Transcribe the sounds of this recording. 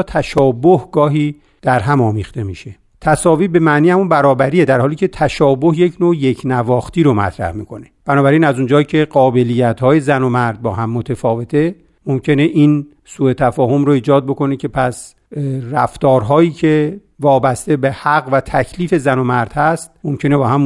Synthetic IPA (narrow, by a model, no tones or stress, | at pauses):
t̪ʰæʃɒːbohɡɒːɦiː | d̪̥æɾɦæmɒːmiːxt̪e̞miʃe̞ | t̪ʰæsɒːviːbe̞mæʔniːhæmunbæɾɒːbæɾiːjed̪æɾhɒːliːcʰe̞t̪ʰæʃɒːbohje̞cʰnoːje̞cʰnævɒːxt̪iːɾomæ̰t̪ʰɾæ̰hmiːkʰo̞ne̥b̥ænɒːbæɾiːnæzund͡ʒɒːjicʰe̞ɢɒːbe̞lijːæt̪hɒːje̞zæno̞mæɾd̪̚bɒ̰ːɦæmːot̪ʰefɒːve̞t̪ʰe̞ | momcʰe̞ne̞ʔin | suːe̞t̪ʰæfɒːɦo̞mɾoiːd͡ʒɒːd̪̚bo̞ko̞necʰe̞pʰæs | ræft̪ɒːɾɦɒːjiːcʰe̞ | vɒːbæst̪e̞behæɡvæt̪ʰæcʰliːfe̞zænomæɾd̪̥hæst̪̚momcʰe̞ne̞bɒːhæm